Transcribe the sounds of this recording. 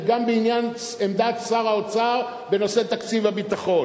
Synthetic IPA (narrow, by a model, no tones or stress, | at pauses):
ɡambeinjan | emd̪at͡saʁaot͡saʁ | be̞no̞se̞t̪akt͡sivabit̪aχo̞